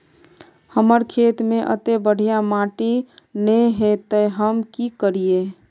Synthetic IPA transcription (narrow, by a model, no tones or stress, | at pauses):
həməɾkʰet̪mẽʔə̰t̪ebəɽ̤ʱijamaʈinəjɦet̪əɦəmkikəɾije